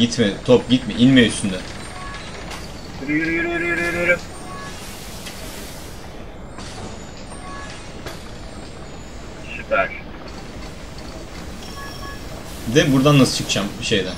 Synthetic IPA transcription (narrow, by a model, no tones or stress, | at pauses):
it̪mɛt̪ʰop̚ɟit̪mɛʔilʲmɛyst̪ynd̪ɛ | ɾjyɾjyɾjyɾjyɾjyɾjɾ | ʃitʰæɾ | d̪ɛbuɾd̪anːasɯ̥t͡ʃʰɯkt͡ʃʰamʃejd̪ɛ